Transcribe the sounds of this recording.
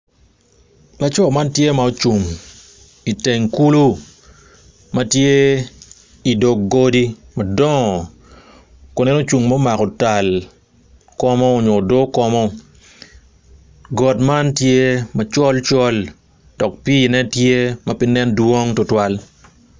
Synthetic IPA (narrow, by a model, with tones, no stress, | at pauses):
la˦t͡ʃɔ˦˨ma˦ntje˦ma˨o˨t͡ʃu˨ŋ | i˨te˨ŋku˦lu˦ | ma˦tje˦ | i˨do˨kɡo˦di˦ | ma˨dɔ˦ŋɔ˨ | ko˨nɛ˦no˦t͡ʃu˨ŋmɔ˦ma˨kɔ˨ta˨l | kɔ˦mɔ˦o˨ɲo˨do˦kɔ˦mɔ˦ | ɡɔ˨tma˦ntje˦ma˨t͡ʃɔ˦lt͡ʃɔ˦l | d̥ɔ˨k̚pi˦˨nɛ˦tje˦ma˦pɪ˦nɛ˦ndwo˦ŋtʊ˨twa˦l